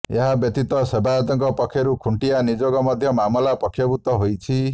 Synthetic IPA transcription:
eɦabjɔt̪it̪wɔsebʱajɔt̪ɔŋkɔpɔkʰːjɔɾukʰuɳʈijanid͡ʒoɡɔmɔd̪ʱjɔmamɔlapɔkʰjɔbut̪ɔɦojt͡ʃʰi

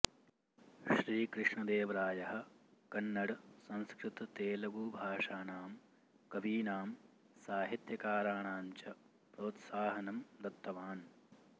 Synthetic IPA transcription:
ʃɾiːkɾɪʂɳɐd̪eːʋɐɾaːjɐɦɐkɐnːɐɽɐsɐ̃nskɾɪt̪ɐt̪eːlɐɡuːbʱaːʂaːnaːm | kɐʋiːnaːm | saːɦit̪jɐkaːɾaːɳaːɲt͡ʃɐ | pɾoːt̪saːɦɐnɐmd̪ɐt̪ːɐʋaːn

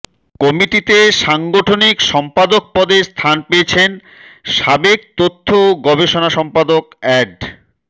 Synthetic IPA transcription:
kɔmiʈit̪eʃaŋɡoʈʰonikʃɔmpad̪ok̚pɔd̪eɾst̪ʰanpeet͡ɕʰen | ʃabek̚t̪ot̪ʰːooɡɔbeʃonaʃɔmpad̪okɛɖ

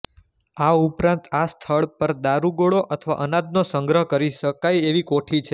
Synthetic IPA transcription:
aupɾãnt̪ast̪ʰəɭpəɾd̪aɾuɡoɭoʔət̪ʰəʋa̰ʔənad̪̚nosəŋɡɾəɦkəɾiʃəkajeʋikoʈʰit͡ʃʰe

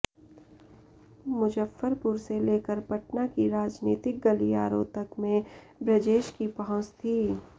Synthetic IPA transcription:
mʊd͡ʒəfːəɾpʊɾseleːkəɾpɐʈnakiɾaːd͡ʒniːt̪ɪk̚ɡɐlia̰ːɾõ̰ːt̪ɐkmẽ | bɾɪd͡ʒeːʃkipɐɦɔ̃t͡ʃt̪ʰiː

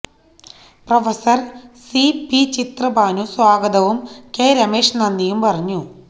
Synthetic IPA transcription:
prɐfɐsɐrsipit͡ɕit̪rɐbaːnuswaːɡɐd̪ɐʋumkeːɾɐmeːʂnɐnːijumpɐrɐɲːu

